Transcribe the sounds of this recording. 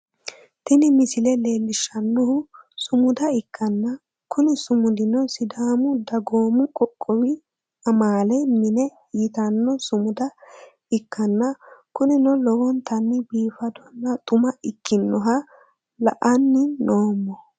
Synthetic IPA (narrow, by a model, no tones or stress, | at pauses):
t̪ɪnɪmɪsɪlɛleːlːɪʃːɐnːɔhʊsʊmʊd̪ɐɪkʰːɐnːɐ | kʊnɪsʊmʊd̪ɪnɔsɪd̪aːmʊd̪ɐɡoːmʊkʼɔkʼːɔwɪ | ɐmaːlɛjmɪnɛ | it̪ɐnːɔsʊmʊd̪ɐ | ɪkʰːɐnːɐkʊnɪnɔlɔwɔnt̪ɐnːɪbiːfɐd̪ɔnːɐt̪ʼʊmɐʔɪkːɪnːɔɦɐ | lɐʔɐnːɪnoːmːɔ